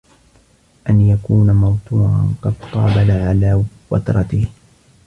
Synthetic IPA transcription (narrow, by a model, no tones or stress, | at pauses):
ʔanjakuːnamɑwt̪ˤuːɾɑ̰nqɑd̪̚q̪ˤɑ̰ːbalaʕalaː | wɑ̰t̪ɾˤɑt̪ɪh